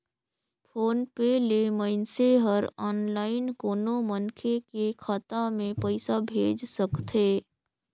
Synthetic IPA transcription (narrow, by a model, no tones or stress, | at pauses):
pʰoːnpeleməɪnseɦəɾɔːnlaːɪnkoːnomənkʰekekʰat̪amẽpəɪsabʱeːd͡ʒsəkt̪ʰeː